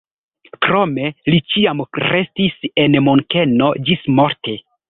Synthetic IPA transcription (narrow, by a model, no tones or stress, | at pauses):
kɾome̞lit͡ʃiamɾe̞stise̞nmoŋkeno̞d͡ʒismo̞ɾte̞